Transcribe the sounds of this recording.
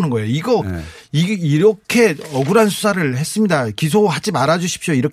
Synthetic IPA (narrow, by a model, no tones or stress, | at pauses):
nɯnɡʌejoiɡʌiiɾʌkʰe̞ʌɡuɾansʰu̥sʰaɾɯɭhe̞s͈ɯmɲidakis̬ʰoɦad͡ʑimaɾad͡ʑuɕʰi̥p̚ɕ͈oiɾʌk